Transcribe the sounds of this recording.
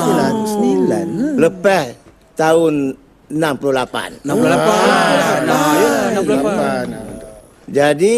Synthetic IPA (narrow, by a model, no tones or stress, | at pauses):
lansənilanləpɛh | t̪aʊn | ənampluhlapa̰n | nanan | d͡ʒadi